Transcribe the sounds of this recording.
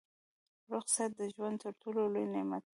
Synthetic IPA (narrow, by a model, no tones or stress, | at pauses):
ɾʊxsat̪̚d̪əʒwand̪̚t̪əɾʈololojnɪmat̪̚